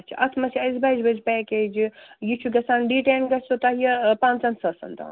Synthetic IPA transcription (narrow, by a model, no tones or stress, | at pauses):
ɐt͡ʃʰḭʔɐt̪ʰmɐsʲiɐzbɐd͡ʒbɐd͡ʒpɛːkeːd͡ʒjit͡ʃʰuɡɐsaːnɖiːʈeːnɡɐsot̪ɐɦjɐpãːnt͡sɐnsɐsɐ̰nt̪a̰ːn